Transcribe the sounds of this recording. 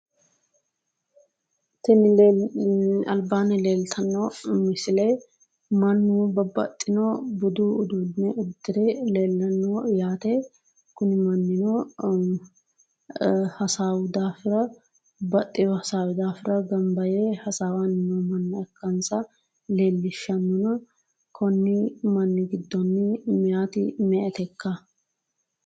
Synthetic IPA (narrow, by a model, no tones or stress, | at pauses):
t̪ɪnɪlː | ɐ̰lbaːnɛle̞ːlt̪ʰɐnːoːmɪsɪleː | mɐnːubɐbɐ̰t̪ʼːɪnoːbɔd̪uːʊd̪uːdnɛʊd̪ːɪɾeleːlːɐnːoːjaːt̪eː | kʊnɪmɐnːɪnoː | hɐsaːwd̪aːfɪɾɐ | bɐt̪ʼːɪjɔhɐsaːwʊd̪aːfɪɾɐɡɐmbɐjeːhɐsaːwanɪnɔmɐnːɐɛkːɐnsɐ | leːlːɪʃːɐnːʊnɐ | kʰɔnːɪmɐnːɪɡɪd̪ːɔnːɪmɛjaːt̪ɪ̰mɛʔɛt̪ɛkːɐ